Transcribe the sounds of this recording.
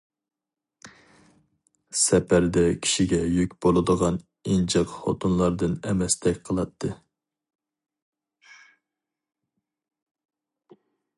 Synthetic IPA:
sɛpʰæɾd̪ɛkʲʰi̥ʃiɡʲɛjykʲbolˠɨd̪əʁɑn | ind͡ʒʰɑqχo̰t̪ʰunlˠɑɾd̪ɨnɛmɛst̪ʰɛkʲqʰəlˠɑt̪ʰːɨ

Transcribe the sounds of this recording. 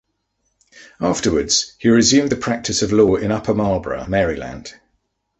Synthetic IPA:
ɑˑftəwədz̥hiɹɪzjʉ̃ːmðəpʰɹ̥ak̚tʰɪsəvlɔːɹɪ̃nʌpʰəmɑːbɹə̰mɛːɹɪlã̰nd̥

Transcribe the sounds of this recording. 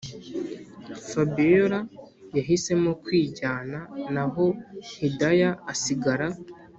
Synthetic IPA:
fabioɾa | jaɦise̞mokwiːɟaːnanaɦo̞hidajaːsiɡaɾa

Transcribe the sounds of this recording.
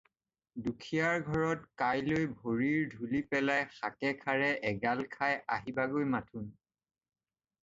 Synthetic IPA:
dukʰijaɹɡʱɔɹɔtkajlojbʱoɹiɹdʱulipɛlajxakɛkʰaɹɛʔɛɡalkʰajaɦibaɡojmatʰun

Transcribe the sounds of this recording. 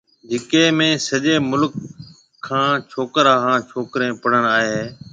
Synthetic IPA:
d͡ʒɪkeːmẽːsəʄeːmʊlkʰː | ãːt͡ʃʰoːkɾaːkãːt͡ʃʰoːkɾẽːpəɽ̤ənaːɦeː

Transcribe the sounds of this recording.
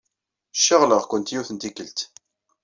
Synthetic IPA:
ʃːəʁləʁkʷənt̪juθənt̪ikəlt̪

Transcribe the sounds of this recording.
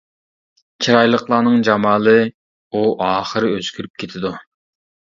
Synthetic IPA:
t͡ʃʰiɾɑjlˠəqlˠɑːnɨŋd͡ʒɑmɑːlˠɨ | uʔɑːχəɾɨøskʲyɾyp̚kʲʰet̪ʰɪd̪u

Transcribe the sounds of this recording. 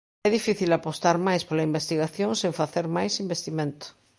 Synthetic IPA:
ɛðifiθilapost̪aɾmajspolaimbest̪iɣaθjõŋsẽɱfaθeɾmajsimbest̪imẽnt̪o̥

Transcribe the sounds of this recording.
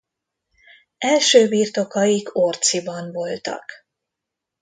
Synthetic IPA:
ɛlʃøːbiːrt̪o̞kɒikʰo̞rt̪sibɒnvo̞lt̪ɒ̰k

